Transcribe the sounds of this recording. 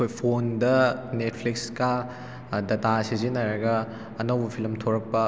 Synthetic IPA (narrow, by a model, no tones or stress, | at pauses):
kʰojpʰondɐnet̚ʰpʰlikska | dɐtasizinajɾɐɡɐː | nɐwbɐpʰilɐmtʰoɾɐk̚pːɐ